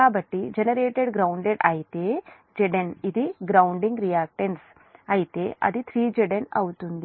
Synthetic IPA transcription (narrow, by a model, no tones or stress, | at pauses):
aːbɐʈːid͡ʒenɐɾeːʈeɖɡɾɐwɳɖeɖaːjt̪eː | d͡ʒeɖenid̪iɡɾɐwɳɖiŋɡɾijaːk̚ʈɐns | aːjit̪eːʔɐ̰d̪it̪ʰɾiːd͡ʒeɖɐnɐ̰wt̪und̪i